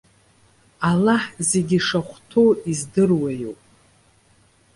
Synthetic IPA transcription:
alaħze̞ɡʲiʂaχʷtʰoizdɨrwajo̰pʼ

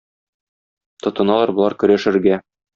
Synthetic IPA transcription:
t̪ŏt̪ɤ̆nɑlˠɑɾbŏlˠɑɾkɵ̆ɾæʃɘ̆ɾɡæ

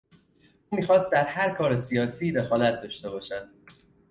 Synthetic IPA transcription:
ʔuːmiːxɒːst̪̚d̪æɾhæɾkʰɒːɾesijɒːsiːd̪e̞xɒːlæt̪̚d̪ɒːʃt̪e̞bɒːʃæd̪̥̚

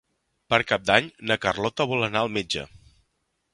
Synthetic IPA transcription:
pəɾkap̚d̪aɲnəkərlɔt̪əβɔlənaəlˠmed͡ʒə̰

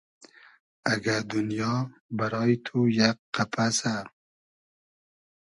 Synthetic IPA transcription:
aɡaɾd̪unjɑbaɾɑjt̪ʰujakqapʰasa

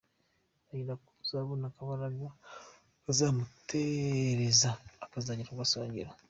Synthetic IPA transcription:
aiɾaku̥uzaβunakaβaɾaɡa | azamuteɾezaːkazaɲiɾawasaːɲɟḭɾa

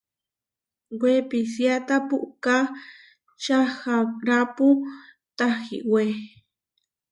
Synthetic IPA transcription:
wepisjat̪apuʔka | t͡ʃaxaɾapu | t̪axḭwe

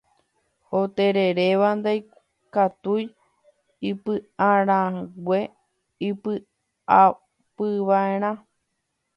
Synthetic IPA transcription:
ot̪eɾe̞ɾeʋand̪aj | kat̪uj | ipɨãɾ̃ãwʷe | ipɨ | a | pɨʋaeɾ̃ã

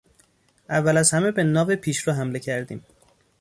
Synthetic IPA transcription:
ʔævːælæzhæmebenɒːvepʰiːʃɾoːɦæmle̞cʰæɾd̪ḭːm

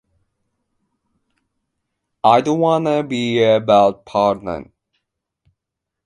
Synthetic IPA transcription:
aɪdõnwɑ̃nəbiəbaʊt̚pʰɑɹtnə̰n

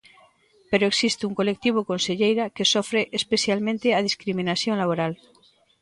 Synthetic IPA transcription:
pe̞ɾoeksist̪euŋko̞le̞k̚t̪iβ̞oko̞nseʎejɾake̞sofɾeʔespe̞θjalmẽnt̪eað̞iskɾimĩnaθjonlaβ̞oɾal

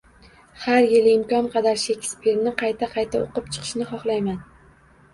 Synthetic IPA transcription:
haɾjɪlɪmkʲɒnqʰɑd̪aɾʃekʲspʰeɾnɪqʰɑjt̪ʰaqʰɑjt̪ʰao̰qɨp̚t͡ʃʰɨ̥qʰɨ̥ʃnɪχɒχlˠajman

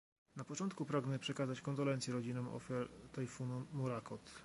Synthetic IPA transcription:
napɔt͡ʂɔnt̪kupɾaɡnɛpʂɛkazat͡ɕkɔnd̪ɔlɛnt̪sjɛɾɔd͡ʑinɔmɔ̰fʲjaɾt̪ajfunumuɾakɔt̪

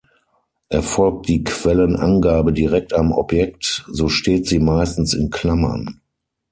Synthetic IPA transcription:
ʔɛɐfɔlk̚t̚d̥iːkv̥ɛlənʔa̰nɡaːbədiʁɛk̚tamɔ̰pjɛk̚tzoːʃteːtz̥iːmaɪstn̩sɪnkl̥amɐ̰n

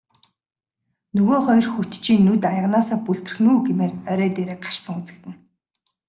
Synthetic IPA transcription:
nɵɣoːχɔjrxut͡ɕt͡ɕʰiːnːut̪ajə̆ʁnaːsaːpuɮt̪ɘ̆r̆xnuːɡemeːrœɾœːt̪eːɾeːk̚ɢar̥sə̆ŋut͡sɘ̆k̚t̪ɘ̆n

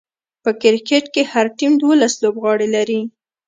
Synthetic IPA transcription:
pəkɪɾkeʈkehaɾʈimd̪wolaslobɣɑɽelaɾi

